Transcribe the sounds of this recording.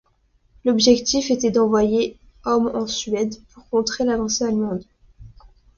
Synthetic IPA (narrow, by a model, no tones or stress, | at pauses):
lɔbʒɛkt̪ifet̪ɛd̪ɑ̃vwaje | ɔmɑ̃sɥɛd̪puʁkɔ̃t̪χelavɑ̃sealmɑ̃d̪